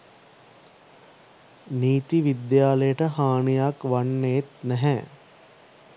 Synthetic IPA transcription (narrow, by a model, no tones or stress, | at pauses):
niːt̪iʋid̪jaːləjəʈəɦaːɳijakʋanːet̪nɛɦɛ